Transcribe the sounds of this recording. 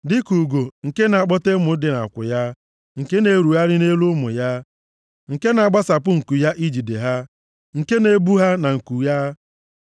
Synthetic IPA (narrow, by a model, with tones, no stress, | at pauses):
dɪ˦ku˨ɡo˨ŋ̩˨ke˦na˨k͡pɔ˦te˦mʊ˨˦dɪ˨na̰˨kʷʊ̰˨ja˦ | ŋ̩˨ke˦ne˨ɾu˨ɦa˦ɾɪ˦ne˦lu˦mʊ̰˨ja˦ | ŋ̩˨ke˦na˨ɡ͡ba˦sa˨pʊ˦ŋ̩˨ku˨ja˦ʔi˦d͡ʒi˨de˨ɦa˦ | ŋ̩˨ke˦ne˨˦bu˦ɦa˦na˨ŋ̩˨ku˨ja˦